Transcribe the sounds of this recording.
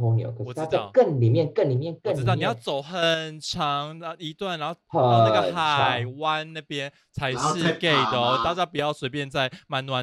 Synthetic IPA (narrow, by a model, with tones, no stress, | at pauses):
o˧˥ŋ̰˨˩ko˧wɔ˨˩a˥˨˥kə˥˨˩nli˨˩mjɛ˥˨nkə˥˩nli˨˩mjɛ˥˨nkə˨˥˨ɻ̩˥ɑ˥˨ni˨ja˥˩ʊt͡so˨˩ʊxə˨˩nʈ͡ʂʰɑ˨˦ŋ˧i˧˦t̪wa˥˩na˨˦ho˥ʊ˨˥˩ɡə˨xa˨ɪwa˦nna˥˩pjɛ˦n | t͡sʰa˧˦ɪʂɻ̩˥˧ke˥˩ɪd̪ə˩ɔ˦t̪a˥˧˩t͡ɕja˥pu˨˩jɑ˥˩ʊswe˧˥ɪpjɛ˥˧nt͡sa˥˧ɪma˨˦nnwa˨˦n